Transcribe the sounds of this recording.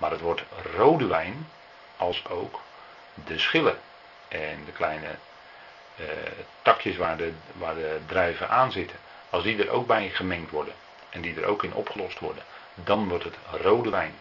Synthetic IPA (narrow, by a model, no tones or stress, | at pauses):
maːrətʋɔɹtrowdəʋɛjn | ɑlˠsowk | dəsχɪlə | ʔɛndəklɛjnə̰ | tɑkʰjəsʋaːdəʋaːɹdədrɛjvəʔaːnzɪtʰə | ɑlˠsdidəɾʔo̰wk̚bɛjχəmɛŋktʋɔrdən | ʔɛndidəɾo̰wkɪnʔɔ̰pχəlɔstʋɔ̰rdən | dɑnʋɔɹtɦətrowdəʋɛjn